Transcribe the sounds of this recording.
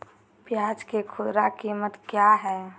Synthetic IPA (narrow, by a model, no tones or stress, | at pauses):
pjaːd͡ʒkekʰʊd̪ɾakiːmət̪kjaɦɛː